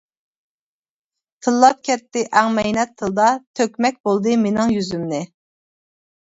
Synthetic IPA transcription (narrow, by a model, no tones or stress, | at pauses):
t̪ʰɨlˠːɑp̚kʲʰɛt̪ːɪʔæŋmɛjnɛt̪ʰːɨlˠd̪ɑt̪ʰøkʲmɛk̚ʲbolˠd̪ɨmenɪŋjyzymnɪ